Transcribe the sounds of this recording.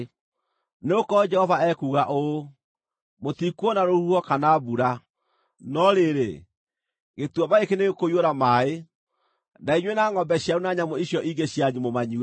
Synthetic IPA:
neokɔd͡ʒɛhɔvaɛkuɣaʔo | motikwɔnaɾohuɔkanaβuɾa | nɔɾeɾe | ɣetwɔβaekeneɣekoioɾamae | naiɲwenaŋɔmbɛɕjaɾunaɲamoiɕjɔʔiŋɡeɕjaɲumomaɲiwe

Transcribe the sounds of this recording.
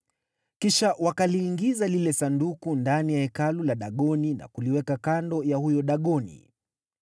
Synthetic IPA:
kiʃaʔwakaliːŋɡizalilɛsandukundanijaɛkalulaɗaɠɔnina̰kuliwɛkakandɔjahujɔɗaɠɔnḭ

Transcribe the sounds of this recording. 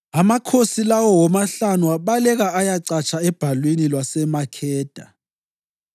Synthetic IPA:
amakʰosilawɔwɔmaɬanuaɓalɛɣaajaǀat͡ʃʰʼaɛb̥ʱalwinilwasɛmakʰɛːd̥ʱa

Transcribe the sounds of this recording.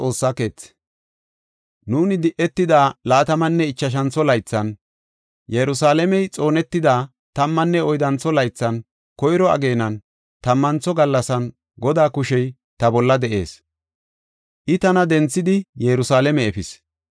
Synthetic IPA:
t͡sʼo̞ːsːake̞ːt͡sː | nuːnɪd̪ɪʔɛt̪ːɪd̪aːlaːt̪ɐmɐnːɛɪt͡ʃːɐʃ̬ɐnt͡sɔlɐjt͡sːɐn | jɛɾʊsaːlɛmɛjt͡sʼo̞ːnɛt̪ːɪd̪aː | t̪ɐmːɐnːɛɔjd̪ɐnt͡sːɔlɐjt͡sːɐn | kɔjɾɔɐ̰ɡe̞ːnɐn | t̪ɐmːɐnt͡sɔɡɐlːɐsɐn | ɡɔd̪aːkʊʃɛj | t̪ɐbɔlːɐd̪ɛʔe̞̰ːs | ʔɪt̪ɐnɐd̪ɛnt͡sːɪd̪ɪjɛɾʊsaːlɛmɛɛfɪs

